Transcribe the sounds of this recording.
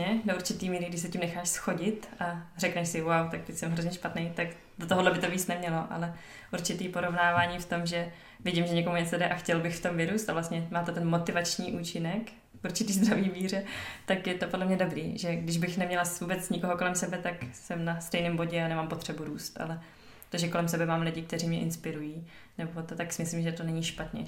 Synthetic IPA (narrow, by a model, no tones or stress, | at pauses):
ɛdoʔuɾt͡ʃɪt̪iːmiːɾɪɡdɪʃsɛcɪmnɛxaːʃsxo̞ɟɪt̪ʔarɛknɛʃsɪwawt̪ak̚t̪ɛcsɛmɦɾozɲɛʃpat̪nejt̪ak | dot̪oɦodlɛbɪt̪o̞viːt͡snɛmɲɛlo̞ʔa̰lɛ | ʔuɾt͡ʃɪt̪iːpo̞ɾo̞vnaːvaːɲiːft̪o̞mʒɛ | vjɪɟimʒɛɲɛkomuɲɛt͡sodɛʔaxcɛlbɪxft̪o̞mvɪɾuːst̪avlast̪ɲɛmaːt̪ɛt̪ɛnmo̞t̪ɪvat͡ʃɲiːʔuːt͡ʃɪnɛk | ʔuɾt͡ʃɪt̪iːzd̪ɾaviːmiːrɛt̪akjɛt̪o̞podlɛmɲɛdo̞bɾḭːʒɛɡdɪʒbɪxnɛmɲɛlasvuːbɛt͡sɲɪko̞ɦokolɛmsɛbɛt̪aksɛmnast̪ɛjniːmbo̞ɟɛanɛmampo̞t̪r̝̥ɛbuɾuːst̪ʔa̰lɛ | t̪oʒɛko̞lɛmsɛbɛmaːmlɪɟɪk̚t̪ɛriːmɲɛʔɪnspɪɾujiː | nɛbo̞t̪ot̪aksɪmɪslimʒɛt̪o̞nɛɲiʃpat̪ɲɛ̰